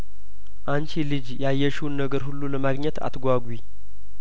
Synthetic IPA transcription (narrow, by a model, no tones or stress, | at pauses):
ʔant͡ʃilɨd͡ʒjajːɛʃunːəɡəɾhulːuləmaɡɲɛt̪ʰa̰t̪ɡʷaɡʷwi